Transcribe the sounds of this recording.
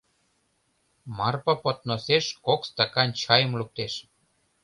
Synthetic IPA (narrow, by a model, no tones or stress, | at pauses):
mɑrpɤ̆pot̪̚noseʃkokst̪ɑkɑnt͡ɕɑjə̆mluk̚t̪eʃ